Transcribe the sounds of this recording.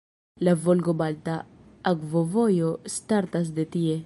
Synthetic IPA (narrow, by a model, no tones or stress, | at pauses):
lavolɡobalt̪aːɡvovojost̪aɾt̪as̬d̪et̪ie